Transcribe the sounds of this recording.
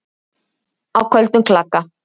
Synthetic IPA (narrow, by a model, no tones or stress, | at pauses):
awkʰœlt̪ʊŋkʰlakːa